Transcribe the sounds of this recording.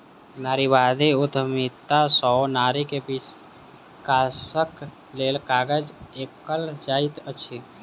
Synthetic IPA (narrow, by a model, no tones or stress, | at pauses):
naɾiʋad̪ʱiud̪ʱmit̪ːasɔnaɾikebis | kasək | lelkaɡəd͡ʒekəld͡ʒait̪ət͡ʃʰi